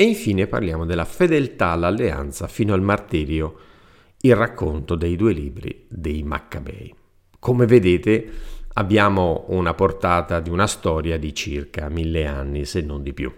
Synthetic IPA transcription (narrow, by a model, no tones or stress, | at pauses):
eiɱfiːnepa̰rljaːmod̪elːafed̪elt̪aːlːalːea̰nt̪safiːnoalmart̪iːɾjo | ilrakʰːont̪od̪ejd̪uːeliːbɾḭd̪ejma̰kːabɛ̰j | kʰomeved̪eːt̪ea̰bːjaːmounaport̪aːt̪ad̪iunast̪ɔːɾjad̪it͡ʃirkamilːeanːisenːond̪ipjṵ